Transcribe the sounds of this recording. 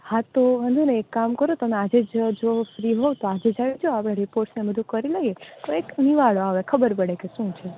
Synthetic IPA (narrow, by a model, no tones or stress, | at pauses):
hãt̪oɦə̃nd̪ʱuneːkːamkəɾot̪əmead͡ʒed͡ʒd͡ʒofɾiɦot̪oad͡ʒed͡ʒaʋid͡ʒoapɽ̃ẽɾipoɾʈsnebəd̪ʱũkəɾilaɦijet̪oekniʋaɭoaʋekʰəbəɾpəɽekeʃũt͡ʃʰe